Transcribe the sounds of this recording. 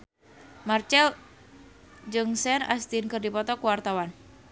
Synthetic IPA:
mart͡ʃɛl | d͡ʒɨŋsɛna̰st̪inkɨrdipɔt̪ɔkuwart̪awan

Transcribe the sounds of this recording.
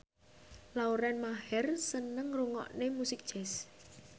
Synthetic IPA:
lauɾɛnmaɦɛrsənəŋruŋɔ̰ʔnemusɪk̚d̥ʒ̥ɛs

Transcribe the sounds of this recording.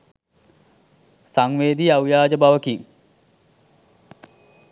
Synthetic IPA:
saŋʋeːd̪iawjaːd͡ʒəbaʋəkiŋ

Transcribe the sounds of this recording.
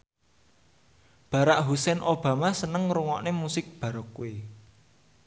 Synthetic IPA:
b̥a̤ɾaʔɦusɛnʔob̥ä̤masənəŋɾuŋɔ̰ʔnemusɪk̚b̥a̤ɾɔkːue

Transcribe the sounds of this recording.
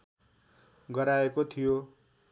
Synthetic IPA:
ɡʌɾaekot̪ʰijo

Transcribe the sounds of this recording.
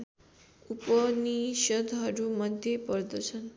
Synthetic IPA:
upəniɕəd̪ʱɦʌɾumʌd̪ʱjepɔɾd̪əɕʰən

